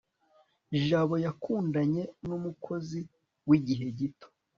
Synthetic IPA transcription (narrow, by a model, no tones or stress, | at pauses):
ʒaːβo̞jakuːndaɲe̞numukʰo̞zi | wiɟiɦe̞ɟito̥